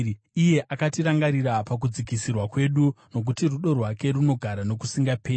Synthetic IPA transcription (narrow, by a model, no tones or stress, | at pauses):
ije̞ʔakatiɾaŋɡaɾiɾapak̬ud͡zikisirwakwe̞ɗuno̞k̬utiruɗo̞rwake̞runo̞ɡʱaɾano̞kusiŋɡapeː